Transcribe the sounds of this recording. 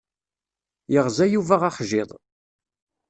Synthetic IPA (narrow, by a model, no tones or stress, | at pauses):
jəʁzæjuvæʁaχʒɪðˤ